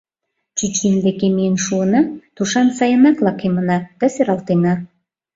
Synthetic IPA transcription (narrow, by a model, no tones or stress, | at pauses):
t͡ɕyt͡ɕind̪ekemijənʃuənɑt̪uʃɑnsɑjə̆nɑklɑkemə̆nɑd̪̥ɑseɾɑlt̪enɑ